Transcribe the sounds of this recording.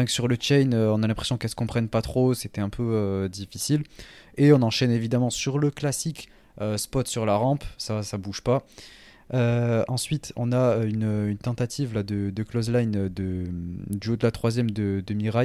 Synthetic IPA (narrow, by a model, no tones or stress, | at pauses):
ɛ̃ksyʁlət͡ʃɛjnøɔ̃nalɛ̃pχe̥sjɔ̃kɛlsəkɔ̃pχɛnpat̪χoset̪ɛɛ̃pʰøød̪ifisileɔ̃nɑ̃ʃɛnevid̪amɑ̃syʁləklasik | øspɔt̪syʁlaʁɑ̃psasabuʒpa | øɑ̃sɥit̪ʰɔ̃naøynøynt̪ɑ̃t̪at̪ʰivlad̪əd̪əklɔzlajnød̪əd̪yod̪əlat̪χwazjɛmd̪əd̪əmiʁaj